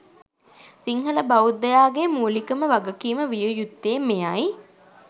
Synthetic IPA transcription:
siŋhələbɐud̪ːɐjaːɡemuːlikəməʋaɡəkiːməʋijujut̪ːeːmejaj

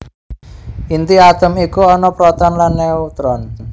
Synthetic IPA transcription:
ʔint̪iat̪əmikuɔnɔpɾɔt̪ɔnlanːeut̪ɾɔn

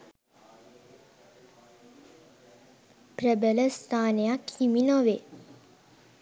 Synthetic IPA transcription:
pɾəbələst̪ʰaːnejakʰiminoʋe

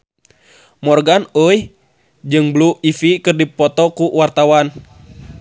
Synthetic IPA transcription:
mɔrɡanəjh | d͡ʒɨŋbluifikɨrdipɔt̪ɔkuwart̪awan

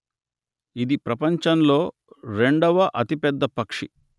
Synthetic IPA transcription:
id̪ipɾɐpɐɲt͡ʃɐnlo̞ː | ɾe̞ɳɖɐʋɐʔɐt̪ipɛd̪ːɐpɐkʂḭ

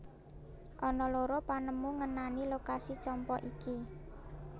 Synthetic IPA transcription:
ʔɔnɔloɾopanəmuŋənanilokasit͡ʃɔmpɔʔiki

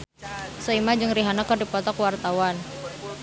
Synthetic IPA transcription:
sɔimad͡ʒɨŋriɦanakərdipɔt̪ɔkwart̪awan

